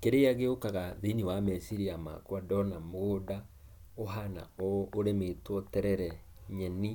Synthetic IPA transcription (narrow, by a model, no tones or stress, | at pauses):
keɾeaɣeokaɣaðiniwamɛsiɾiama̰kwadɔnamoɣoda | oɦana̰ɔoɾemetwɔtɛɾɛɾɛ | ɲɛni